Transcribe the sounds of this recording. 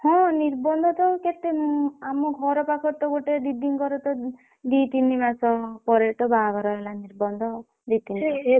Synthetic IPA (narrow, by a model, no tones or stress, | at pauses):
hɔ̃niɾbɔnd̪ʱɔt̪ɔket̪eamɔɡʱɔɾɔpakʰɔɾt̪ɔɡoʈeɖ̪id̪iŋkɔɾɔt̪ɔ | d̪it̪inibasɔpɔɾeʈ̪ɔbaɡɔɾɔɦelaniɾbɔnd̪ʱɔ | d̪it̪ine